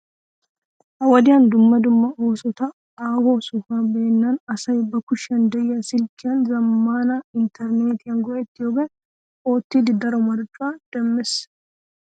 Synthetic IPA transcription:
hɐwɐd̪ɪjɐnd̪ʊmːɐd̪ʊmːɐoːsɔt̪ɐ | aːhoːsʊfaːbeːnːanɐsɐjbɐkʊʃɐnd̪ɐjːɐsɪlkːɪɐnzɐmːaːnaɪnt̪ʰɛɾneːt̪ɪɐŋɡɔʔɛt̪ːjoːbɛ | oːt̪ːid̪ɪd̪ɐɾɔmɐɾt͡ʃʼːʊaːd̪̥ɛmːɪs

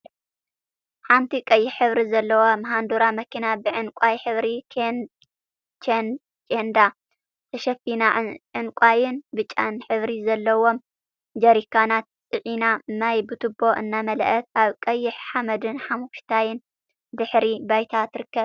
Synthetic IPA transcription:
ħant̪ʰikʼɐjːɪħħɨβɾizɐlːɐwomɐɦand̪uɾamɐkʰinabɨʕɨnkʼajħɨβɾi | t͡ʃn | t͡ʃʼend̪a | t̪ʰɐʃɐfinaʕʕɨnkʷʼajɪnbɨt͡ʃʼa̰nħɨβɾizɐlːɐwo̞m | d͡ʒɐɾikʰanat̪̚t͡sʼɨʕinanajbɨt̪ʰɨbo̞ʔɨnːamɐlʔɐt̪ʔaβkʼɐjːɪħħamɐd̪ɨnħamuʃt̪ʰajɪn | dɨħɾibajt̪ʰat̪ʰɨɾɨkːɐβ

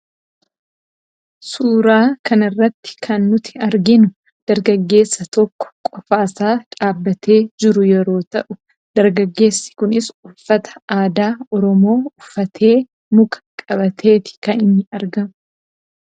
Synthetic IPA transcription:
suːɾaːkɐnɪrːɐt̪ːɪ̥kʰɐnːʊt̪ɪ̥ɐɾɡɪnʊ | d̪̥ɐɾɡɐɡːe̞ːsːɐt̪ɔkːɔ̥kʼɔfaːsaːᶑʼaːbːɐt̪ʰeːd͡ʒɪɾʊjɛɾo̞ːt̪ɐʔʊ | d̪̥ɐɾɡɐɡːe̞ːsːɪ̥kʊnɪsʊfːɐt̪ɐ̥aːd̪aːɔɾɔmo̞ːʊfːɐt̪ʰe̞ː | nʊkɐ̥kʼɐbɐt̪ʰe̞ːt̪ɪ̥kɐnɪnːɪɐɾɡɐmʊ

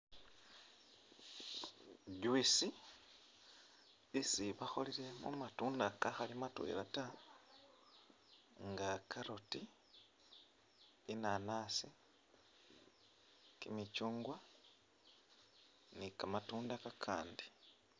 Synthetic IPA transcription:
ɟwisi | isiβaxo̞̰liɾe̞mṵmatuːndakaxalimatwḛlata | ŋɡakʰaɾoti | inanaːsi | kimit͡ʃuːŋɡwa | nikamatuːndakakʰa̰ːndi

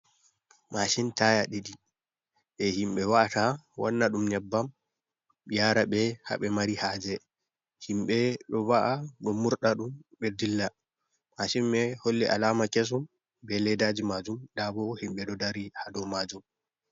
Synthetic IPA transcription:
maʃintajaɗiɗi | ɓɛhimɓɛwaʔatawanːaɗumɲɛbːam | ɓijaɾaɓɛha̰ɓɛmaɾihad͡ʒɛ | himɓɛɗɔwaʔaɗɔmuɾɗaɗumɓɛdilːa | maʃinɓɛholːiʔa̰lamakes̬um | bɛlɛdad͡ʒimad͡ʒumɗabɔhimɓɛɗɔdaɾihadɔmad͡ʒum

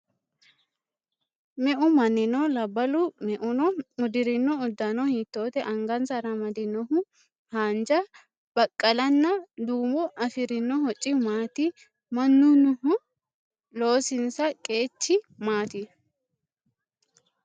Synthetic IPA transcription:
mɛʔʊmɐnːɪnɔlɐbːɐlʊmɛʔʊnɔʊd̪ɪɾɪnːɔʊd̪ːɐnɔhit̪ːo̞ːt̪ɛʔɐŋɡɐnsɐɾɐmɐd̪ɪnɔhʊ | haːnd͡ʒɐ | b̥ɐkʼːɐlɐnːɐd̪uːmɔʔɐfɪɾɪnːɔhɔt͡ʃʼːɪmaːt̪ɪ | mɐnːʊnʊhʊ | lo̞ːsɪnsɐkʼe̞ːt͡ʃːɪmaːt̪ɪ

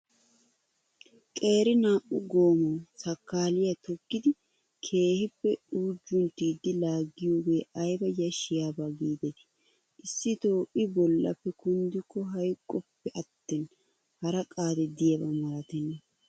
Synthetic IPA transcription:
kʼe̞ːɾɪnaːʔʊɡo̞ːmɐwsɐkːaːlɪjɐt̪ɔkːɪd̪ɪ | kʰe̞ːhɪpːɛuːd͡ʒːʊnt̪ːiːd̪ːɪlaːɡːɪjo̞ːɡe̞ːʔɐjbɐjɐʃɪjaːbaɡiːd̪ɛt | ʔɪsːɪt̪o̞ːʔɪbɔlːɐ̰pːɛkʊnd̪ɪkːɔɦɐjkʼːɔpːɛʔɐt̪ːɛn | hɐɾɐkʼaːd̪ɛd̪ɪjɐbɐmɐɾɐt̪ɛnːɐ

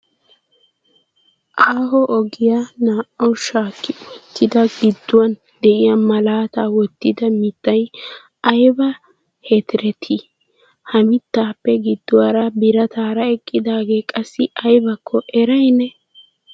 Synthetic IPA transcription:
ʔaːɦɔʔɔɡɪjanaːʔɔʃaːkːɪt̪ːɪd̪ɐɡɪd̪ːʊwɐn | d̪ɛʔɪjamɐlaːt̪aːwɔt̪ːɪd̪ɐmɪt̪ːɐj | ɐjbɐ | het̪ɪɾɛt̪ʰɪ | hɐmɪt̪ːaːpːɛɡɪd̪ːʊwɐɾɐbɪɾɐt̪aːɾɐɛkʼːɪd̪aːɡeːkʼɐsːɪɐjbɐkʰːɔʔɛɾɐjnɛ

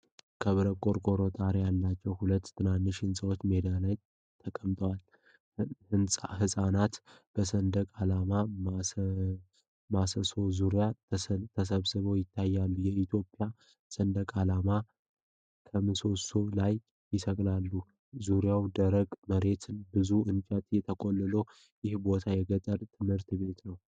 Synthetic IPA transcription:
kʰəβɨɾəkʼo̞ɾkʼo̞ɾo̞t̪ʼaɾejalːat͡ʃːɛwhulət̪ːʰɨnanːɨʃɪnsʼəwot͡ʃːmed̪alaj | t̪ʰəkʼəmt̪ʼwal | hɨnsʼahɨsʼanat̪b̥əsənd̪əkʼalamam | masəso̞zuɾjat̪ʰəs̬əβsɨβəwjɪt̪ʰːajːalːujɛit̪ʰjo̞pʼja | sənd̪əkʼalama | kʰəmɨso̞so̞laj | jɪsəkʼlalːu | zuɾjawd̪əɾəɡməɾe̞t̪ʰɨnbɨzuɨnt͡ʃʼət̪jɛt̪ʰəkʼolːɨlo | jɪhbo̞t̪ʰajɛɡət̪ʼəɾt̪ʰɨmhɨɾt̪be̞t̪nəw

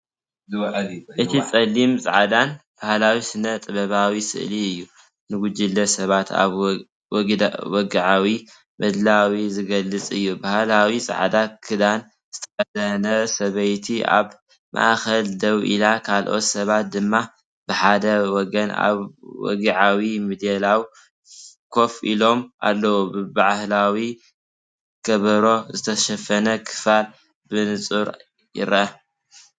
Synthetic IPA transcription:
ʔɨt̪ʰit͡sʼɐlːimsʼa̰ʕad̪anb̥ahlawisɨnɐt̪ʼɨβɐβawisɨ̰ʔliɨjːu | nɨɡud͡ʒilːɐsɐβat̪ʰa̰β | wɔɡiʕawi | bɐd̪lawizɨɡɐlːɨt͡sʼɨjːubahlawisʼa̰ʕd̪akʰɨd̪an | z̥ɨt̪ʰɐ̥ɐd̪ɐnɐsɐβɐjt̪ʰia̰β | mʔa̰ʔxɐld̪ɐwʔḭlakʰalʔo̞̰t̪sɐβat̪̚d̪ɨmːa | b̥ɨħad̪ɐwɔɡɐna̰βwɔ̰ɡiʕawimid̪elaw | kʰo̞fʔilo̞ma̰lːɐwubɨbaʔhlawi | kɐβɐɾo̞zɨt̪ʰɐʃɐfɐnɐkʰɨ̥fal | bɨnɨt͡sʼuɾ | jɪ̰ɾʔɐ

